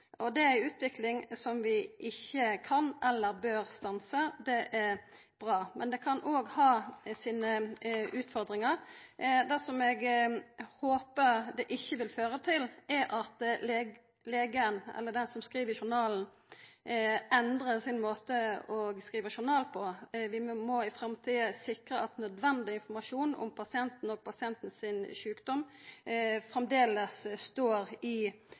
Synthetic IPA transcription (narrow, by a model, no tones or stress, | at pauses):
ʔɔd̪ɛæɪʉːt̪ʋɪklɪŋsɔmʋɪʔɪçːəkʰɑnʔɛlːəɾbøːɾst̪ɑnsəd̪ɛʔæɾ | b̥ʁɑːmʔɛnd̪ɛkʰɑnʔoːɡhɑːsiːnəʉːt̪fɔɾd̪ɾɪŋɑɾd̪ɛsɔmɛɡ | hoːpəʁd̪ɛʔɪçːəʋɪlføːɾət̪ʰɪlɛʔɑt̪leː | leːɡəənɛ̰lːəɖ̪ɛnsɔmskɾiːʋəʃʊnɑːln̩ | ɛnd̪ɾəsɪnmoːt̪əɔɡskʁiːʋəʃʊɾnɑːlpʰɔʋɪmɔɪfɾɑmt̪ʰiːəsɪkɾəɑt̪nœd̪ʋɛnd̪ɪɪnfɔmɑʂuːnɔ̰mpʰɑsɪɛnt̪n̩ɔːɡ̚pʰɑsɪɛnt̪n̩sɪnʃʉːkd̪ɔm | fɾɛmd̪eːləsst̪oːɾɪ